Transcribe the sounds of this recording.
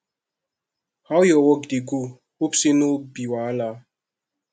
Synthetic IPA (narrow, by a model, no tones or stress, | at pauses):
hawjɔwɔɡdeɡu | opsenobiwaala